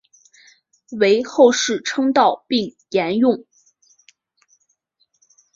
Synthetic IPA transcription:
we˧˥ɪxo˥˧ʊʂɻ̩˥˩ʈ͡ʂʰɤ˥ŋt̪ɑ˥˧ʊpi˥˩ŋ | jɛ˧˥njʊ˥˩ŋ

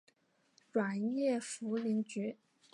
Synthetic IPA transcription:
ʈ͡ʂwa˨˩njɛ˥˩fu˧˥li˧˥ŋt͡ɕy˧˥

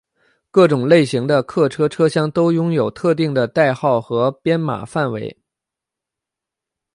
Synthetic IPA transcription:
kɤ˥˩ʈ͡ʂʊ˨˩ŋle˥˩ɪɕi˧˥ŋd̪ə˧kʰɤ˥˩ʈ͡ʂʰɤ˥ʈ͡ʂʰɤ˥ɕjɑ˥ŋt̪o˥ʊjʊ˥ŋjo˨˩ʊt̪ʰɤ˥˧t̪̬i˥˩ŋd̪ə˩t̪a˥˧ɪxɑ˥˩ʊxɤ˧˥pjɛ˥nma̰˨˩fa˥˩nwe˧˥ɪ

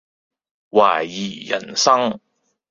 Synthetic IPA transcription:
waː˨˩jjiː˨˩jɐ̰˨˩nsɐ˥ŋ

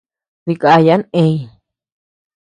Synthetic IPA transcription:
ði˧kʼa˧ja˦ne˧j

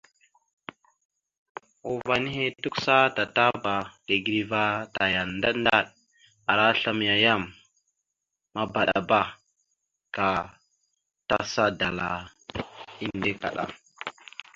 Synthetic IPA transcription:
o˨va˨ni˦ɦe˦tu˦ksa˦ta˨ta˦ba˨de˨ɡɾi˦va˦ta˨ja˨nːda˦nda˦˨ɗ | a˨ɾa˦ɬa˦mja˨ja˦m | a˦ba˨ɗa̰˨ba˦ | ka˨ | ta˦sa˦da˨la˨ | i˦nde˦ka̰˨ɗa̰˨

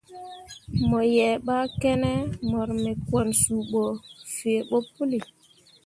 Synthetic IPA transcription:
mɔ˨jɛː˨ɓa˦kɛ˦nɛ˦mɔ˨ɾmɛ˨kwɔ˨nsu˨ɓɔ˨fe˨ɓo˦pu˦li˨

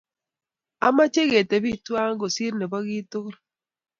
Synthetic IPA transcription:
a˨ma˦t͡ʃe˦ɣe˨te˨βi˦twa˦ŋɡo˨si˦ɾne˨ba˦ɣi˦to˦ɾ

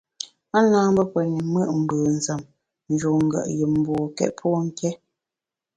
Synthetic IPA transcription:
a˦naː˦m˦bə˦pwə˨ni˨mə˦ʔm̩˨bəː˨n̩˨zə˨m | n̩˨d͡ʒo˨ŋ̩˦ɡə̰˨ʔjə˨mm̩˦bɔː˨kɛ̰˦ʔpʰɔ˦ŋ̩˦kʰɛ˦

